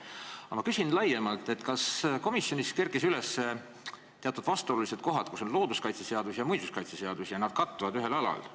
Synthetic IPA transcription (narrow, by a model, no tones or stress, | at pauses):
ɑmɑkysinlɑjemɑlt̪ːˑe̞t̪ːkɑsko̞misjo̞niske̞rkisyle̞sːe | t̪e̞ɑt̪ːˑud̪̥vɑst̪o̞lulise̞t̪̚ko̞ɦɑd̪̥kuso̞nlo̞ːd̪uskɑjt̪sese̞ɑd̪̥usjɑmujsuskɑjt̪sese̞ɑd̪̥usjɑnɑd̪̥kɑt̪ːuvɑd̪yɦe̞lɑlɑ̰l